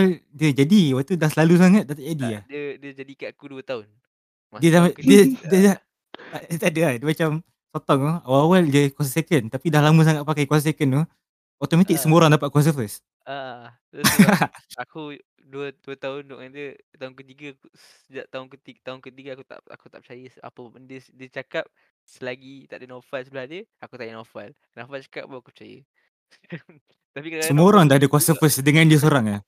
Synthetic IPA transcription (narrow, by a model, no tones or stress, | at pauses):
waldiəd͡ʒadiawat̪udahsəlalus̬aŋat̪̚dat̪aʔadiadədiəd͡ʒadikaakuduət̪aʊn | diədadədəda | adadəadəmat͡ʃam | sot̪ɔŋuawawaldiəkwas̬asekənt̪apidahlaməs̬aŋat̪ʔ̪̚pakajkwasas̬ekənu | ɔt̪omat̪ɪk̚səmoɾaŋdapat̪̚kwas̬əfəs | a | aku | duəduət̪aʊndoʔŋandə | t̪aʊnkət̪iɡausəd͡ʒaʔ̚t̪aʊnkət̪it̪aʊnkət̪iɡaakut̪a̰ʔa̰kut̪aʔp̚t͡ʃajia̰pəbəndəsdət͡ʃakap̚ | səlaɡit̪a̰ʔdənofalsulahdəakut̪ajənofal | knafalt͡ʃḁka̰p̚bawaku̥p̚ət͡ʃajə̰ | t̪apiksəmoɾaŋdahdəkwasəfəsdəŋandiəsoɾaŋah